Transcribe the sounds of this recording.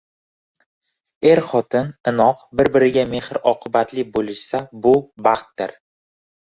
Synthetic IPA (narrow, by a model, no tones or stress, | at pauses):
eɾχɒt̪ʰɪnɪnɒqbɪɾbɪɾɪɡʲame̞hɪɾɒqʰɨbat̪lɪbolˠɪʃsabʊbɑχt̪̚d̪ɪɾ